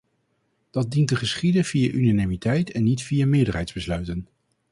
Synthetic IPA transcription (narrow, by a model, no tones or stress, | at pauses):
d̥ɑt̚dintəχəsχidəv̥ijaʔynanimitɛjtɛnːitfijamɪːɹdəɹɦɛjdzbəslœɥtən